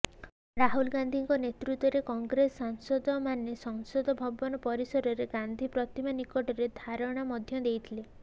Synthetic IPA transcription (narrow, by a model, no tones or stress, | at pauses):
ɾaɦulɡand̪ʱiŋkɔnet̪ɾut̪wɔɾekɔŋɡɾesaŋsɔd̪ɔmanesɔŋsɔd̪ɔbʱɔbɔnɔpɔɾisɔɾɔɾeɡand̪ʱipɾɔt̪imanikɔʈɔɾed̪ʱaɾɔɽ̃amɔd̪ʱjɔd̪ejt̪ʰile